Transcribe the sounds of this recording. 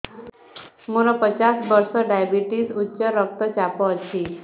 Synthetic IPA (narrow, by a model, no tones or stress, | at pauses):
muɾɔpət͡ɕasbəɾsɔɖajbiʈisutːɕəɾək̚t̪ət͡ɕapɔət͡ɕi